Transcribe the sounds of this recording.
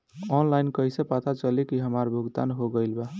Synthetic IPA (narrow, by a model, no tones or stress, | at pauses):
ɔnlajnkʌjsẽpat̪ʰat͡ʃəlekiɦəmaɾbʱuɡt̪anɦoɡəjlba